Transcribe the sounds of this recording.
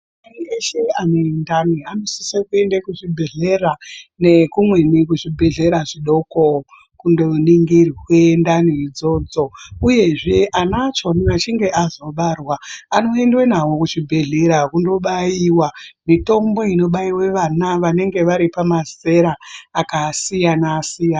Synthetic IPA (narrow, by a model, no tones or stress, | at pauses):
anieʃe̞anoendanianosisekue̞ndakuʐibʱe̞ɮe̞rane̞kumwe̞nikuʐibʱe̞ɮe̞ɾaʐiɗo̞ko | kundo̞niŋɡirwendaniid͡zo̞d͡zo̞uje̞ʐe̞ʔanat͡ʃo̞ninat͡ʃiŋɡe̞ʔazo̞ɓarwaːno̞e̞ndwenawokuʐibʱe̞ɮe̞ɾakundo̞ɓaiwamito̞mbo̞ino̞ɓaiwe̞ʋanaʋane̞ŋɡe̞ʋaɾipamase̞ɾaːkasijanasijan